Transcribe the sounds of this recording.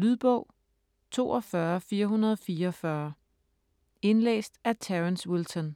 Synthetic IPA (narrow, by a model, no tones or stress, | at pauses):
lyð̞ˠb̥ɔʊ̰ | t͡sʰo̝̰ːɒ̽fɶɐfiːɐɦunɐð̞ˠɒ̽fiːɐɒfɶɐ | e̝nlḛːsd̥æt͡sʰæʁənswilsɔn